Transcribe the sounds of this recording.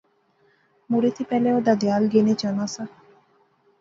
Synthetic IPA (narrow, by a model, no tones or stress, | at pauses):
muɾet̪ipɛleod̪ad̪ealɡenet͡ɕɔnasa